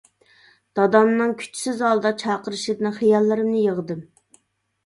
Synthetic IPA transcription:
d̪̥ɑd̪ɑmnɨŋkʲʰy̥t͡ʃʰsɪzɑlˠd̪ɑt͡ʃʰɑːqəɾɨʃɨd̪ɪnɨχijɑlˠːɨɾɨmnɪjəʁd̪ɨm

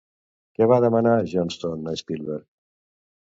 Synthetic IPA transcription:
keβaːd̪ɐmɐnaːʑonst̪onːɐspilbeɾ

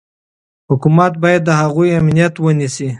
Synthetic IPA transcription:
hʊkumat̪̚bɑjad̪ːəhaɣujamnijat̪wənisi

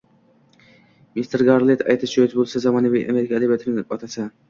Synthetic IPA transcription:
mist̪ʰɾɡaɾlˠet̪ʰajt̪ʰɪt͡ʃoet̪bolˠsazɒmɒnavijʔameɾɪkʰaːd̪abjat̪ʰɪɾnɒt̪ʰasa

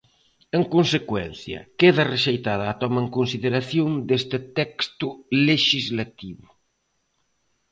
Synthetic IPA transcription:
eŋkonsekwɛ̰n̟θjɐ̰keðɐreʃejt̪aðɐaːt̪ɔmɐeŋkonsiðeɾaθjoŋd̪est̪ɪt̪ɛkst̪ʊleʃizlat̪iβʊ

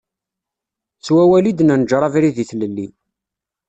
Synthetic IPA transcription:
t͡sːwæwælid̪nænəd͡ʒɾˤɑvɾiðiθləlːi

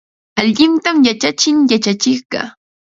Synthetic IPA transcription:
aʎɪnt̪amjat͡ʃat͡ʃɪŋjat͡ʃat͡ʃɪχɢɑ̰

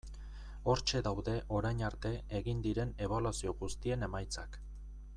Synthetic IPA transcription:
o̞ɾt͡ʃe̞ðawðe̞ʔo̞ɾajɲaɾt̪e̞eɣind̪iɾe̞ne̞β̞alwasio̞ɣust̪ie̞ne̞majt͡sak

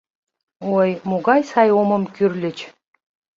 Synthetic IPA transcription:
ojmoɣɑjsɑjomə̆mkyrlʲɘ̆t͡ɕ

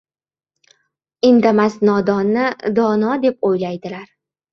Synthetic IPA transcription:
ɪnd̪amasnɒd̪ɒnːɪd̪ɒnɒd̪e̞p̚ojlajd̪ɪlaɾ

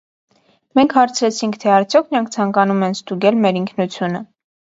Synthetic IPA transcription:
mɛŋkʰhɑɾt͡sʰɾɛt͡sʰiŋkʰt̪ʰɛɑɾt͡sʰjɔkʰnəɾɑŋk̚ʰt͡sʰɑŋkɑnumɛnst̪uɡɛlmɛɾiŋkʰnut͡sʰjunə

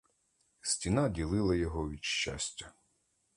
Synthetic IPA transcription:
sʲtʲinɑdʲilˠɪlˠɐjɔɦɔʋʲid̪ʃt͡ʃa̰sʲtʲːɐ

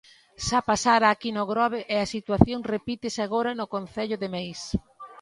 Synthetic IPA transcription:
ʃapasaɾaːkinʊɣɾɔβ̞eʔeasit̪waθjoŋrepit̪ɪsaɣ̞oɾɐnʊkonθɛʎʊðemejs

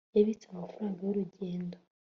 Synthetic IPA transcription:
jaβit͡samafaɾaːŋɡajuɾuɟe̞ːndo

